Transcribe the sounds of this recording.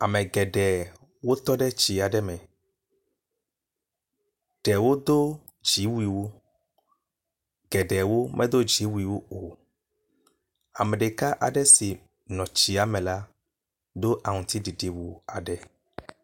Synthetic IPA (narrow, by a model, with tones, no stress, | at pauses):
a˨mɛ̃˨ɡɛ˨ɖɛ˨ | wo˦t̪ɔ˦ɖɛ˦t͡ʃi˨a˨ɖɛ˦mɛ̃˨ | ɖ̥ɛ˨wo˦d̪o˦ | d͡ʒi˨˦wi˨wo˦ | ɡɛ˨ɖɛ˨wo˦mɛ̃˦d̪o˦d͡ʒi˨˦wu˦i˨wo˦o˨ | a̰˨mɛ̃˨ɖe˨ka˦ʔa̰˨ɖɛ˦si˨ | nɔ̃˨t͡ʃi˨a˦mɛ̃˨la˦ | d̪o˦ʔa˨ŋũ˨t̪i˦ɖi˨ɖi˨wu˨a˨ɖɛ˨